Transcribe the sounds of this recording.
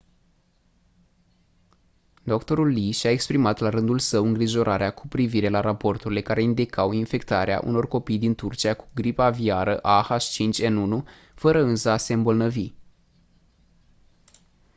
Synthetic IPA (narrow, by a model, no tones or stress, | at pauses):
d̪okt̪o̞ɾulːiʃaekspɾimat̪laɾɨnd̪ulsəwɨŋɡɾiʒo̞ɾʔaɾeakʰu̥pɾiviɾe̞laɾapo̞rt̪uɾile̞kaɾe̞ind̪ikʰawinfe̞kt̪aɾea̰ʔṵno̞rko̞pijd̪int̪urt͡ʃiaku̥ɡɾipaviaɾəʔahaʃt͡ʃint͡ʃʲenunu | fəɾəɨnsəase̞ɨmbo̞lnəvi